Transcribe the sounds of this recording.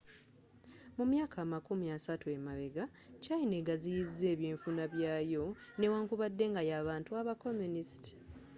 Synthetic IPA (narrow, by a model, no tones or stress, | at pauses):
mumjaːkʰaːmakumiasatue̞maβeɡa | caine̞ɡazijizːe̞ːβjiːɱfunaβjaːjo̞ne̞waːŋkuβadːe̞ŋɡajaːβaːntuaβako̞munisti̥